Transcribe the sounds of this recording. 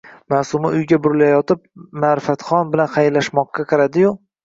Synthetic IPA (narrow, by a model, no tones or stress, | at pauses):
maːsʊmɪʔʊjɡʲabʊɾɪlajɒt̪ɪp̚maɾɪfat̪χɒnbɪlanχajlːaʃmɒqːɑqʰɑɾad̪ɪjʊq